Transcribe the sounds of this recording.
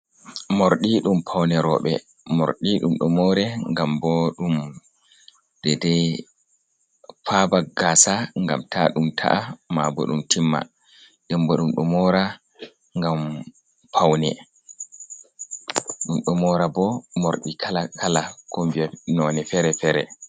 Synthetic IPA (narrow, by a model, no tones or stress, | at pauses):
moɾɗiɗumpʰawnɛɾɔɓɛ̰ | moɾɗiɗumɗumɔɾɛŋɡambɔɗum | dɛdɛj | fabaɡaːsaŋɡa̰mtʰaɗumtʰa̰ʔamabɔ̰ɗumtʰimːa̰ | ɗɛmbɔɗumɗumɔɾa | ŋɡam | pʰawnɛ̰ | ɗumɗɔmɔɾabɔmoɾɗikʰalakʰalakɔmvianɔnɛfɛɾɛfɛɾɛ̰